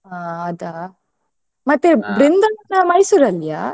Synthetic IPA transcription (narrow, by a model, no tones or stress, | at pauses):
aːɐd̪a | mɐt̪ːebɾind̪ɐnːɐmɐɽisuɾɐlːijaː